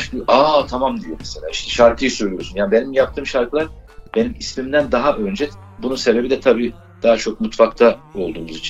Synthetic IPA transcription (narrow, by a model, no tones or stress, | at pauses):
ʔat̪ʰamamd̪ijomeselaiʃt̪ʰɛ̥ʃaɾkʰɯjɯsyɾlʲyjo̞ɾsunjaːnibe̞nimjap̚t̪ʰɯːmʃaɾklˠaɾb̥e̞nimismimd̪ænd̪aɦaʔønd͡ʒɛ | bununse̞be̞bid̪ɛt̪ʰabiː | d̪̥aɦat͡ʃʰo̞k̚mut̪fakt̪ʰao̞lˠd̪uːmuzit͡ʃʰin